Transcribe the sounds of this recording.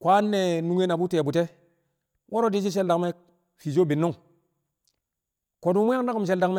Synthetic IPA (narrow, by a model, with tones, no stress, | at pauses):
kʷa˦nːe˨nu˦ŋe˦na˨bu˦te˨bu˨te˦ | wʔo˦ɾo˦di˦t͡ʃ̬i˦ʃ̬e˦lda˨kme˦ | fi˨d͡ʒo˦bi˨nːu˦ŋ | ko˨du˦mu˦ja˦ŋda˦ku˨mʃ̬e˨lda˨kme˦